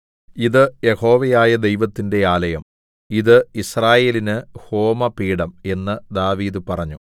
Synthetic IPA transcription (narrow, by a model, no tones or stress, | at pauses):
iðɨje̞ho̞ːʋɐjaːjɐd̪e̞jʋɐt̪ːinde̞aːlɐjɐm | iðɨisraːje̞ːlinɨho̞ːmɐpiːɽɐme̞nːɨd̪aːʋiːðɨpɐrɐɲːu